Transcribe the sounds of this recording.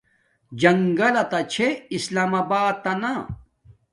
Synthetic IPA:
d͡ʑɐŋɡɐlɐt̪ɐt͡ɕʰeislaːmaːbaːd̪̚t̪ːɐna

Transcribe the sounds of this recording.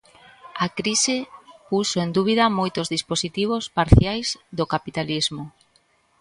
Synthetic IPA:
akɾisɪpusoend̪uβ̞iðɐmojt̪ʊzðisposit̪iβ̞ospaɾθjajzðokapit̪alizmo

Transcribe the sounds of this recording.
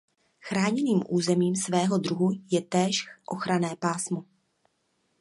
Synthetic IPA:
xɾaːɲɛniːmʔuːzɛmiːmsvɛːɦo̞d̪ɾuɦujɛt̪ɛːʃʔoxɾanɛːpaːsmo

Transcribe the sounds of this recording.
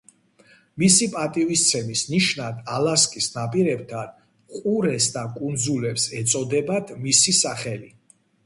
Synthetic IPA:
misipʼat̪ʼivist̪sʰɛmisniʃnad̪alaskʼisnapʼiɾɛbt̪ʰan | qʼuɾɛsd̪akʼund̪zulɛpsɛt̪sʼɔd̪ɛbad̪ʰmisisaχɛli

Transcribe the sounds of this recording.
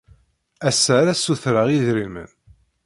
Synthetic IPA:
æsːaɾæsuθɾəʁiðɾimə̰n

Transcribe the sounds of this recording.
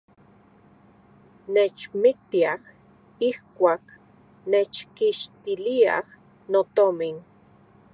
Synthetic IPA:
net͡ʃmik̚t̪iah | ihkʷaːk | net͡ʃkiʃt̪ilia̰h | not̪omin

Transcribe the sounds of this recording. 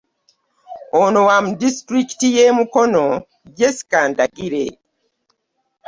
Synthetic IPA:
onowamudistɾikitijemukono | ɟesi̥kaːndaɡiɾe

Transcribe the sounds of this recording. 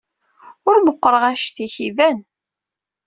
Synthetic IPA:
ʊɾməqːɾəʁæʃθiçivæn

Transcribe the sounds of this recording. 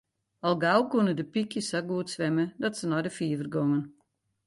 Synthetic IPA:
ɔlˠɡawkunədəpikʰjəsaɡuətsʋɛmədɔtsənɔjdəfiəvərɡoŋən

